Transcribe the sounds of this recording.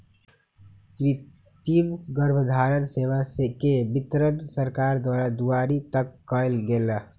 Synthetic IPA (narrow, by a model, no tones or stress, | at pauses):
ɾi | t̪imɡəɾbʱd̪ʱaɾənseʋasekebit̪ɾənsəɾkaɾd̪waɾad̪uaɾit̪əkːəjlɡela